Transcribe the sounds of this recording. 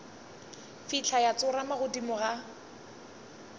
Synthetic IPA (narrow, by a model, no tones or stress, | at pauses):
fit͡ɬʰajat͡sʊɾamaɣʊdimʊɣa